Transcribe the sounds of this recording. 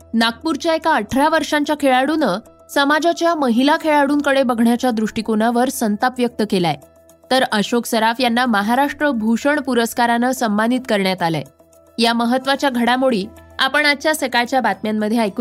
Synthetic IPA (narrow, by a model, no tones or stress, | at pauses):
nak̚puɾt͡ɕjaekaəʈʰɾaʋəɾʂãɲt͡ɕjakʰeɭaɽunə | səmad͡ʑat͡ɕjaməɦilakʰeɭaɽuːnkəɽebəɡʱɳjat͡ɕjad̪ɾuʂʈikonaʋəɾsənt̪apʋjək̚t̪əkelaje | t̪əɾəɕoksəɾafjanːaməɦaɾaʂʈɾəbʱuɕəɳpuɾəskaɾanəsəmband̪it̪kəɾɳjat̪ala̰ | jaməɦət̪ːʋat͡ɕjaɡʱəɽamoɭiːapəɳaɕjasəkajt͡ɕjabat̪mjamːəd̪ʱjeajku